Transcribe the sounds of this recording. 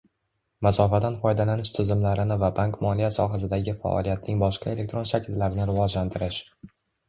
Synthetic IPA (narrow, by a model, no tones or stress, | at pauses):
masɒfad̪anfɒjd̪alanɪʃt̪ʰɪzɪmlaɾɪnɪvabaŋkmɒlijasɒɦas̬ɪd̪aɡʲɪfa̰ʔɒ̰lijat̪̚nɪŋbɒʃqʰɑe̞le̞k̚t̪ɾo̞nʃakʲʰɪlːaɾɪnɪɾɪvɒd͡ʒlant̪ʰɪɾɪʃ